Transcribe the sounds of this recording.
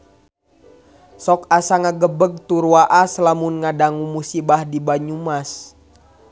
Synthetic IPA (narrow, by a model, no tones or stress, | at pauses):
sɔkasaŋaɡəbəɡ̚t̪uɾuaʔaslamunŋadaŋumusibahdibaɲumas